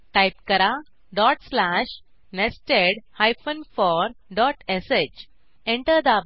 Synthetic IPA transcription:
ʈajp̚kəɾa | ɖɔʈslæʃ | nesʈeɖhajfənfɔɾɖɔʈeset͡ɕ | ẽɳʈəɾd̪ə

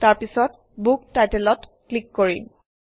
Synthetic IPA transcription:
taɹpisɔt | buk̚tajtelɔt | klikːoɹḭm

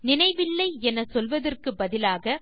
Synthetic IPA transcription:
nɪnɐɪʋɪlːɐɪɛnɐsɔlʋɐðɐrkɯbɐðɪlaːɣɐ

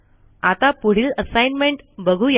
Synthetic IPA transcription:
at̪apuɽ̤iːləsajnmeɳʈbəɡʱuja

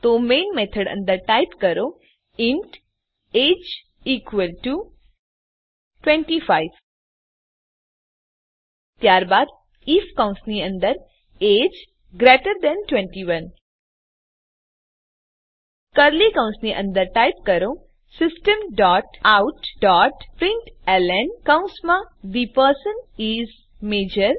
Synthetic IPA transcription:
t̪omeːnmet̪ʰəɽə̰̃nd̪əɾʈaɪpkəɾo | ɪɳʈ | eːd͡ʒ | iːkʋəlʈu | ʈwẽɳʈifaɪʋ | t̪jaːɾbaːd̪ | iːfkãʊ̃nsniə̃nd̪əɾ | eːd͡ʒ | ɡɾeʈəɾd̪ɛ̃nʈwɛ̃ɳʈiʋɐn | kəɾlikãʊ̃nsniʔə̰̃nd̪əɾʈaɪp̚kəɾõ | sɪsʈəmɖɔːʈawʈɖɔːʈpɾɪ̃ɳʈɛlɛnkãʊ̃nsmãd̪ipəɾsəniːz | meːd͡ʒəɾ

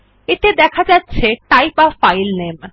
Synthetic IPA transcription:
eʈ̪ed̪ɛkʰad͡ʑatːɕʰeʈajpafajlnem

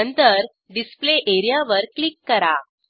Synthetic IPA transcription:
ənt̪əɾ | ɖispleʔeɾijaʋəɾklikːəɾa

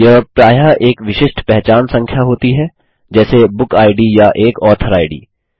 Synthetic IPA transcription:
jɐɦpɾaːjaʔeːkʋɪʃɪʃʈpɛɦt͡ʃaːnsɐ̃ŋkʰjaɦoːt̪iɦɛː | d͡ʒɛːsebʊkaːɪɖijaʔeːkɔːt̪ʰəɾaːɪɖḭː

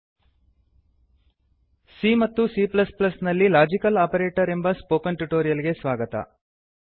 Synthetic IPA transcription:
simɐt̪ːusiːplɐsplɐsnɐlːilaːd͡ʒikɐlaːpɐɾeːʈɐɾe̞mbɐspoːkɐnʈuʈoːɾijɐliɡe̞sʋaːɡɐt̪ɐ̰

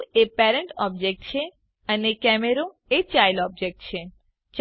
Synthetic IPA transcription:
epɛɾeɳʈɔb̚d͡ʑek̚ʈ̚t͡ɕʰe | ənekɛmeɾo | et͡ɕajlɔb̚d͡ʑek̚ʈt͡ɕʰe | t͡ɕ

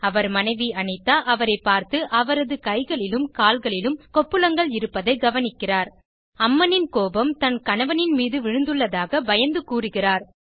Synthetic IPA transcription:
ɐʋɐɾmɐnɐɪʋiɐɳɐɪt̪ːaːʔɐʋɐɾɐɪpːaːɾt̪ɯʔɐʋɐɾɐðɯkɐɪɣɐɭɪlɯmkaːlɣɐɭɪlɯmkɔpːɯlɐŋɡɐɭɪɾɯpːɐðɐɪɡɐʋɐnɪkːɪraːɾ | ɐmːɐnɪnkoːbɐmt̪ɐnkɐnɐʋɐnɪnmiːðɯʋɪɻɯnd̪ɯɭːɐðaːɣɐbɐjɐnd̪ɯkuːrɯɣɪraːɾ

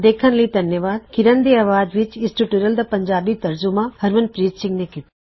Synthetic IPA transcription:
d̪eːkʰənləid̪ʱɐnjəʋaːd̪̚kɪɾənd̪eɐʋaːd̪ʋɪt͡ʃɪsʈuʈuɾəld̪apɐɲd͡ʒaːbit̪ɐɾd͡ʒʊmahɐɾʋənpɾiːtsɪ̃ŋɡnekit̪i

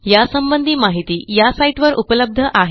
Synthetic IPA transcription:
jasəmbənd̪ʱiːmaɦit̪iːjasaiʈʋəɾʔupələb̚d̪ʱəʔaɦe

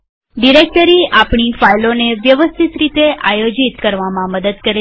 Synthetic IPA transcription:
ɖiɾek̚ʈəɾiapɳifajloneʋjəʋəst̪ʰit̪ɾit̪eʔajod͡ʒit̪kəɾʋamãməd̪əd̪kəɾe

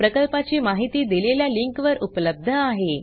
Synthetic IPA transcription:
pɾəkəlpat͡ɕiːmaɦit̪iːd̪ileljaliŋkʋəɾʔupləb̚d̪ʱəaɦe

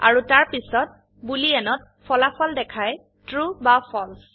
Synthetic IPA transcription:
a̰ɹutaɹpisɔt̚ | buliɛnɔt̚ | pʰɔlapʰɔldɛkʰaj | tɹubapʰɔls

